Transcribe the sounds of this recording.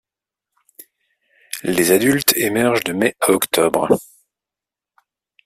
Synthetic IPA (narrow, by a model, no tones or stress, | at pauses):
lezad̪ylt̪emɛʁʒd̪əmɛaɔkt̪ɔbʁ